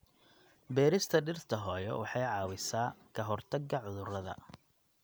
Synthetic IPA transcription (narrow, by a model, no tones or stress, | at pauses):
bɛːɾɪst̪ʰɐɖɪrt̪ʰɐɦɔːjɔ̰wɑħɑjʕɑːwɪsaːkʰɐɦɔrt̪ʰɐɡɐʕʊðʊrɐðɐ̰